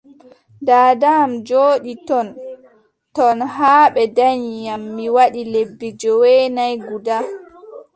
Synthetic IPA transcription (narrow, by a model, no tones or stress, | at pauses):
daːdamd͡ʒoːɗitɔn | tɔnɦaːɓɛdaɲijamːiwaɗilebːid͡ʒɔwɛnajɡuda